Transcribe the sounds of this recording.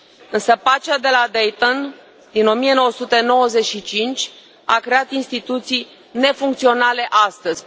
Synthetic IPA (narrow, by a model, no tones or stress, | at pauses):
ɨnsəpat͡ʃad̪e̞lad̪ejt̪on | d̪ino̞mie̞no̞wəsut̪eno̞wəze̞ʃit͡ʃint͡ʃʲ | a̰kɾeat̪inst̪it̪ut̪sij | ne̞fuŋkt̪sio̞nale̞ʔast̪əz̥ʲ